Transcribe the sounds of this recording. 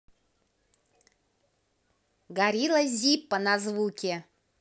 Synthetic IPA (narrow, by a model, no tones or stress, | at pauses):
ɡaɾʲilˠəzʲipːənazvukʲe